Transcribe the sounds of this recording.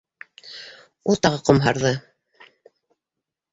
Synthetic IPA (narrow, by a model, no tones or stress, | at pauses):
ulˠt̪ɑʁɤqŏmɦɑɾðɤ